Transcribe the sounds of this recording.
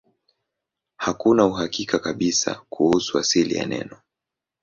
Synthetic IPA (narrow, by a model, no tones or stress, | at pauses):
hakunauɦakikakaɓisa̰kʰuhusuasilija̰nɛ̰nɔ